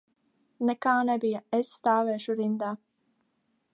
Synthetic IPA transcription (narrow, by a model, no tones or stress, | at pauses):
nɛkaːnɛbijaɛsːt̪aːvɛːʃuɾind̪aː